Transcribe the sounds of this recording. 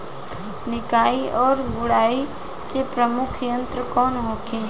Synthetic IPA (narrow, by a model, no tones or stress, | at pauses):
nɪkaːiʔɔːɾbʊɽaːi | kepɾəmʊkʰjə̃nt̪ɾəkɔːnɦokeː